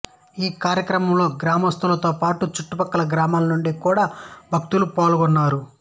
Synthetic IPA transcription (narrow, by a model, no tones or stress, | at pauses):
iːkaːɾjɐkɾɐmɐmlo̞ːɡɾaːmɐst̪ulɐt̪o̞ːpaːʈut͡ʃuʈːupɐkːɐlɐɡɾaːmaːlɐnuɳɖikuːɽaːbʱɐk̚t̪ulupaːluɡɔnːaːɾu